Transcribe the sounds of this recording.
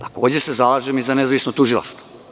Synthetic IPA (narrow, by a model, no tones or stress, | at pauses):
t̪ḁkoːd͡ʑese̞zalaʒemizanezaʋisnot̪uʒilˠa̰ʃt̪vo